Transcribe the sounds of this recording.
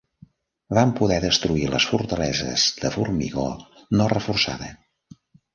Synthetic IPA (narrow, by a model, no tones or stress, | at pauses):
βampuðɛðəst̪ɾuiləsfuɾt̪əlɛzə̰zðəfurmiɣɔ̰ | nɔrəfursa̰ðə